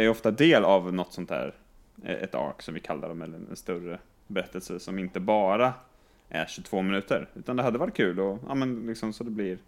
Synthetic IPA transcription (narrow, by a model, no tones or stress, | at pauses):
æɾɔft̪ad̪eːlavnɔt̪ːsɔnt̪hæ̰ːɾ | ɛ̰t̪ʰɑ̰ːksɔmvɪkʰalːa̰ɾd̪ɔmɛlːəɛ̰nst̪ɵɾə | bɛɾɛt̪ːəlsəsɔmɪnt̪əbɑːɾa | ʔæ̰ɕɵt̪ʰv̥oːmɪnʉ̟ːt̪əɾʉ̟ːt̪and̪ɛɦad̪ːəvaʈ̚ːkʰʉ̟ːlɔʔɑ̰ːmɛnlɪksɔmsɔd̪ɛblɪɾ